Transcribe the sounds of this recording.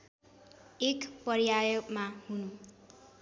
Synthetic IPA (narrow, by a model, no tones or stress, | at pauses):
ekpʌɾjajʌbmahunu